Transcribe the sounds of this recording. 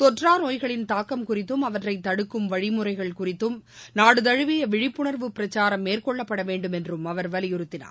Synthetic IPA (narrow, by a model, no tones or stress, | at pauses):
t̪ɔʈraːnoːjɣɐɭɪnt̪aːkːɐmkʊrɪt̪ːɯmɐʋɐʈrɐɪt̪ːɐɽɯkːɯmʋɐɻɪmɯrɐɪɣɐɭkʊrɪt̪ːɯmnaːɽɯt̪ɐɻɯʋɪjɐʋɪɻɪpːʊɳɐɾʋɯpːɪɾɐt͡ʃːaːɾɐmːeːrkɔɭːɐpːɐɽɐʋeːɳɖɯmɛndrɯmɐʋɐɾʋɐlɪjʊɾɯt̪ːɪna̰ː